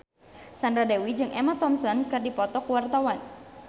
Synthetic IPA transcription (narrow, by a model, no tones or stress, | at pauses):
sandɾadewid͡ʒɨŋʔɛmat̪ɔmsɔnkɨrdipɔt̪ɔkuwart̪awan